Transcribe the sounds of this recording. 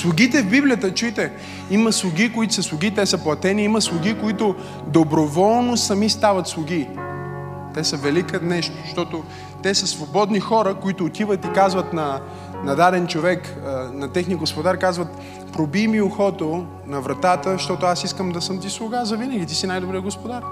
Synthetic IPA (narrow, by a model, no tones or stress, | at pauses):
slˠʊɡʲit̪ɛvbiblijət̪ət͡ʃujt̪ɛ | imɐslˠʊɡʲikoit̪ʊ̥səslˠʊɡʲit̪ɛsɐplˠɐt̪ɛniimɐslˠʊɡikoit̪ʊ | d̪obɾovɔlˠnosɐmist̪avɐt̪slˠʊɡ̟i | t̪ɛsəvɛlikənɛʃt̪o̥ʃt̪ɔt̪ʊ | t̪ɛsəsvobɔd̪nixɔɾəkoit̪ʊːt̪ivət̪ikazvət̪nɐ | nɐd̪ad̪ɛnt͡ʃovɛk | nɐt̪ɛxniəɡospod̪aɾkazvɐt̪ | pɾobimioxɔt̪o | nɐvɾɐt̪at̪əʃt̪ɔt̪ʊasiskəmd̪ɐsəmt̪islˠʊɡazɐvinəɡʲit̪isinajd̪obɾijəɡospod̪aɾ